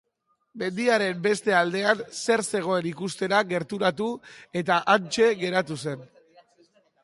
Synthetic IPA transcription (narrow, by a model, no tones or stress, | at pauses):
me̞nd̪iaɾe̞mbe̞st̪e̞ald̪e̞anse̞ɾse̞ɣ̞o̞e̞nikust̪e̞ɾaɣe̞ɾt̪uɾat̪ue̞t̪aʔant͡ʃe̞ɣe̞ɾat̪use̞n